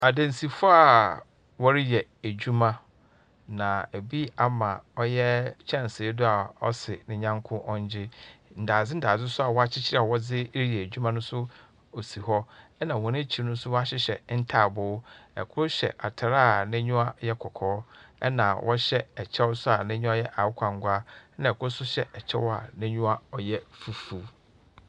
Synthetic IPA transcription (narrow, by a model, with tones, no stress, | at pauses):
a˨dẽ˨n˨si˨fʊ˦a˨ | wɔ˦ɾɪ˦jɛ˨æ˨d͡ʑᶣu˦mã˦ | nã˨æ˨bi˦a˨mã˨ɔ˦jɛ˦t͡ɕʰɛ̃˦˨n˨sɪ˨˦dʊ˦a˨ɔ̰˦sɪ˨nɪ̃˨ɲã˦ŋkʰʊ̃˦ʔɔ̃˦ɲ˦d͡ʑɪ˦n̩˨daː˨d͡zɪ˦n̩˦daː˨d͡zɪ˦sʊ˦a˨wɔ˦a˦t͡ɕʰɪ˦t͡ɕʰi˦ɾa˨wɔ˦d͡zɪ˦ɾi˦jɛ˨æ˨d͡ʑᶣu˦mã˦nʊ̃˦sʊ˦ | o˨si˨hɔ˦ɛ˦nã˨wɔ̃˨nɪ̃˦t͡ɕʰi˨ɾnʊ̃˦sʊ˦wɔ˦a˦ɕɪ˦ɕɛ˨n̩˦tʰaː˦˨bʊː˨˦ɛ̰˨kʰʊ˦ɕɛ̰˨ʔa˨tʰa˨ɾa˦˨nɪ̃˦ɲũ˦a˦jɛ˦kʰɔ˨kʰɔː˨˦ɛ̰˦nã˨wʔɔ˦ɕɛ˦ɛ˨t͡ɕʰɛ˦wsʊ˦a˨nɪ̃˦ɲᶣʊ̃˦ɔ˦jɛ˦ʔa˨wʊ˦kʰã˨ŋ˦ɡʷa˦nã˨ɛ˨kʰʊ˦sʊ˦ɕɛ˦ʔɛ˨t͡ɕʰɛ̰˦wɔ˦a̰˨nɪ̃˦ɲũ˦a˦ɔ˨jɛ˦fu˨fu˨